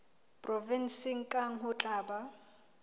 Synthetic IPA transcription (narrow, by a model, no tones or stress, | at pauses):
pʼrɔvinsɪŋ̩kʼaŋ̩ɦʊt͡ɬʼaːba